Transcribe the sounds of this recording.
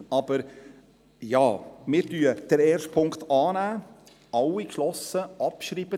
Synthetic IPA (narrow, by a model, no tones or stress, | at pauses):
ɑb̥əɾ | jɑ̰ːmɪːɾtyəd̥əɾɛːɾʃt̚pʰʊŋkt̪ɑːnæː | ɑwːikʃlɔsəʔɑpʃɾiːb̥ə